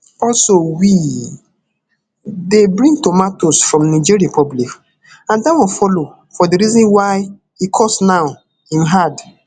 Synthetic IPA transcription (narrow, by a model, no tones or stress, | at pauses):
ɔlsowi | debɹĩŋtɔmatosfɹɔ̃mnid͡ʒiɾiapʰɔblik | ãndawɔ̃fɔlo | fɔdiɾizɔ̃nwaɪ | ikʰɔsnaʊ | ĩnɦad